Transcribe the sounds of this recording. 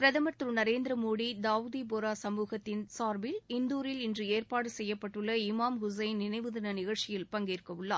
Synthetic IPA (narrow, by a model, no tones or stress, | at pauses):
pɪɾɐðɐmɐt̪ɾɯnɐɾeːnd̪ɾɐmoːɽid̪aːʋɯðiboːɾaːsɐmuːɣɐt̪ːɪnsaːɾʋɪlɪnd̪uːɾɪlɪndrɯeːrpaːɽɯsɛjːɐpːɐʈːɯɭːɐɪmaːmhʊs̬ɐɪnnɪnɐɪʋɯðɐnɐnɪɣɐɭʈt͡ʃɪjɪlpɐŋɡɪɾkːɐʋɯɭːa̰ː